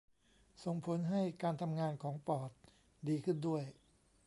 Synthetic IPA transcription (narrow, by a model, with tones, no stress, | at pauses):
so˨˩ŋpʰo˩˦nɦa˥˩jkaː˧nt̪ʰa˧mŋaː˧nkʰɔː˩˦ŋpɔː˨˩t̪̚ | diː˧kʰɯ˥˩ndu˥˩əj